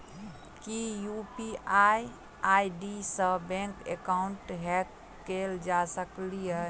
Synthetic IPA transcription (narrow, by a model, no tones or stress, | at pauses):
kijupiaj | ajɖisə̃bɛ̃ŋkḛkaʊɳʈɦɛk | kːeld͡ʒasəklijɛ